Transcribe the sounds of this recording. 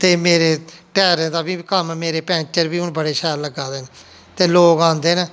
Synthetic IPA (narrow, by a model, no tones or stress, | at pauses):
t̪eːmeːɾeːʈɛːɾẽːd̪aːbiːkəmmeːɾeːpɛ̃ːnt͡ʃəɾbiːɦʊnbəɽeːʃɛːɾləɡaːd̪eːne | t̪eːloːkãːnd̪eːneː